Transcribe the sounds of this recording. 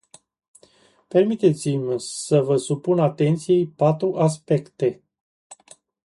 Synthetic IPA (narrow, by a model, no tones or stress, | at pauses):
pe̞rmit̪e̞t̪simʲsəvəsupunat̪e̞nt̪sije̞jpat̪ɾuʔas̬pe̞kt̪e̞